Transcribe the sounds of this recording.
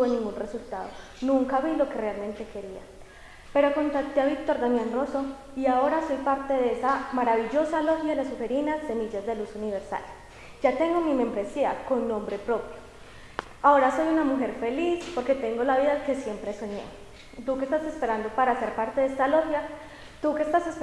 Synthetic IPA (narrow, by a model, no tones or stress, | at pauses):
uβenĩŋɡunresult̪aðo̰ | nũŋkaβilo̞ke̞re̞almẽ̞nt̪e̞ke̞ɾia̰ | peɾo̞ko̞nt̪at̪eaβik̚t̪o̞ɾd̪anjenro̞so̞ | iao̞ɾaso̞jpaɾt̪e̞ðeesamaɾaβiʝo̞salo̞xjalasuhe̞ɾinase̞miʝazd̪e̞lusuniβe̞ɾsa̰l | d͡ʒat̪e̞ŋɡo̞mime̞mbɾe̞sia̰ko̞nːõ̞mbɾe̞pɾo̞pjo | ao̞ɾaso̞junamuxe̞ɾfe̞lispo̞ɾke̞t̪e̞ŋɡo̞laβiðake̞sje̞mpɾe̞so̞ɲe̞̰ | t̪ukest̪ase̞spe̞ɾand̪o̞paɾase̞ɾpaɾt̪e̞ðest̪alo̞xja | t̪ukest̪ase̞s